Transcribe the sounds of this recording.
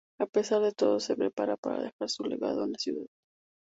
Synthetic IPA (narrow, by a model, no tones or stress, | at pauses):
ape̞saɾðe̞t̪o̞ð̞o̞se̞pɾe̞paɾapaɾa̰ðe̞xaɾsule̞̰ɣa̰ðoenlasjuðað